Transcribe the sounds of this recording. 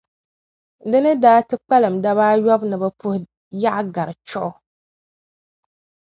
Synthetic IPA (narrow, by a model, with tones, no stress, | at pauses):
dɨ˦nɨ˦daː˦tɨ˦k͡pa˦lɨ˨mda˦βaː˦jɔ˦bnɨ˨bɨ˦pu˦h | ja˦ʔɡa˨ɾɨ˨t͡ʃɔ˦ʔʊ˦